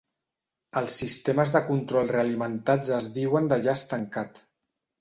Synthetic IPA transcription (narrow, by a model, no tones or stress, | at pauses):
əlˠsːist̪eməzðəkunt̪ɾɔlˠreəːlimənt̪ad͡zəzðiwənd̪əʒaəst̪əŋkat̪